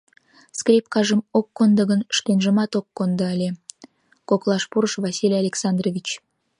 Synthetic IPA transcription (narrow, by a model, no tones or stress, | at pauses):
skrʲip̚kɑʒəmokːond̪əɣənʃt̪enʒə̆mɑt̪okːond̪əəlʲe | koklˠɑʃpuɾəʃvɑsʲilʲijɑlʲeksɑnd̪rovʲit͡ɕ